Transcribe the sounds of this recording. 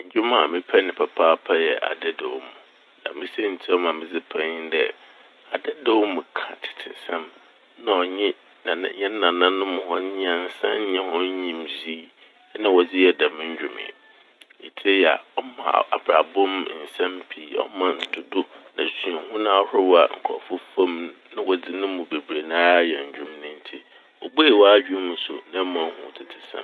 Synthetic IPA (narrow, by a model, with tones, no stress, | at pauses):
ɲ̩˨d͡ʑᶣu˦mã˨a˨mɪ̃˦pʰɛ˦nɪ̃˨pʰa˨pʰaː˦pʰa˦jɛ˨ʔa̰˨dɛ˦dɛ˨wmũ˨ | nã̰˨mɪ̃˦sɛ˦n̩˨tʰi˦ɔ˦mã˨mɪ̃˨d͡zɪ˦pʰã˦dɛ˦ | a˨dɛ˦dɛ˦wmʊ̃˨kʰã̰˨tʰɪ̥˨tʰɪ̰˨sã˦m | nã˨ɔ˨ɲɪ̃˦ | nã˨n˨˦ɲɛ̃˦n˦nã˨nã˦nʊ̃˦mʊ̃˨hɔ̃˦ɲĩ˦ã˨n̩˨sã˦n˦ɲɪ̃˦hɔ̃˦ɲĩ˨mzi˦ | nã˦wɔ˨d͡zɪ˦jɛ˦dã˨mʊ̃˦ɲ̩˦d͡ʑᶣu˨mɪ̰̃˨ | ḭ˨tʰe˦ja̰˨ɔ˦mã̰˨a̰˨bɾa˨bɔ̃˦m˨n̩˨sã˦m˦pʰi˨˦˨ɔ̰˦mã˨n̩˨dʰʊ˨dʊ˦nã˨si˨a˨hʊ̃˦nã˦ɔ˦hɾɛ˦wa̰˨ŋ̩˨kʰɔ̰˨fʊ˦fa˦m˦nã˦wɔ˨d͡zɪ˦nʊ̃˦mʊ̃˨be˨bɾe˨nãː˦jɛ˨ɲ̩˨d͡ʑᶣʊ̃˨mnɪ̃˦n̩˦tʰi˦ | wɔ˨be˦e˨wɔ˦a˦ɥᶣu˦mʊ̃˨sʊ̰˨nã˦mã˨ŋ˦hʊ̃˨tʰɪ˨tʰɪ˨sã̰˦m